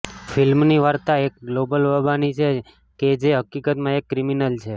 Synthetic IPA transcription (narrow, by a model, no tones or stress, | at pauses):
filmniʋaɾt̪aek̚ɡlobəlʋəbanit͡ʃʰe | ked͡ʒeɦəkikət̪mãekːɾiminəlt͡ʃʰe